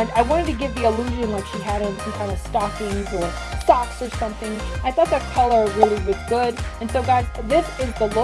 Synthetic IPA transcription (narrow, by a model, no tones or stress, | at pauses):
naɪwɑ̃ɾ̃ɨd̚tʰɨɡɪvðiəlʉʒɨ̃nlaɪtʃiɨɾɨ̃ñnkʰãɪ̃ndʌv̥stɑkɪ̃ŋzə˞ | stɑksə˞sʌ̃mθɪ̃ŋaɪθɔt̪̚ðɨt̚kʰʌlˠə˞ɹɪlˠiwɨzɡʊɾɨ̃nsoʊɡaɪʃðɪsɪzðəlɪ